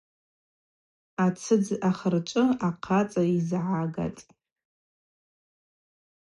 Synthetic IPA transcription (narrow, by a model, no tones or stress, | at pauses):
at͡sʰɨd͡zaχərt͡ʃʷʼɨaqʰat͡sʼaizʕaɡa̰tʼ